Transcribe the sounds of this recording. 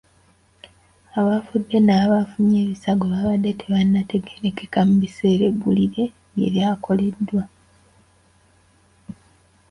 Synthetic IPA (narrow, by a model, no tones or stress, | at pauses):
aβafudːe̞naːβafuɲe̞ːβisaɡoβaβadːe̞tʰeβanːatʰe̞ɡeɾe̞ke̞kamuβise̞ːɾe̞ɡuliɾe̞ | jḛljaːkʰo̞le̞dːwa